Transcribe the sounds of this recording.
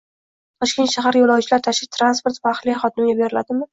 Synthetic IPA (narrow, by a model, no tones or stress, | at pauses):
t̪ʰɒʃkʲe̞nt̪ʃaɦaɾjolawt͡ʃʰɪlaɾt̪ʰaʃɪt̪ʰɾanspoɾt̪vaːχlɪχɒt̪ɪmɡʲabeɾɪlad̪ɪmɪ